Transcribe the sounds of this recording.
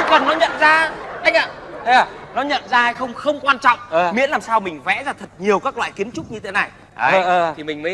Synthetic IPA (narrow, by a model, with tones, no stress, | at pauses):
kə˨˩nːɔ˨˦ɲə̰˧˨nzaː˧ʔa˧jŋ̟ʔaː˨˩˧ | nɔ˨˦ɲə̰˧˨nzaː˧a˧jxə˧wŋ͡mxə˧wŋ͡mkwaː˧nt͡ɕɔ̰˧˨wŋ͡mʔəː˨˩mḭ˧˥ənlaː˨˩msaː˧wmï˨˩ŋ̟vɛ̰˧˥zaː˧t̪ʰə˨˩t̚ɲi˨˩əwkaː˦˥k̚la̰ː˧˨jki˨˦ənt͡ɕʊ˦˥k͡p̚ɲɨ˧t̪ʰe˨˦na˨˩j | aː˨˩˨i˨˩mï˨˩ŋ̟məː˨˦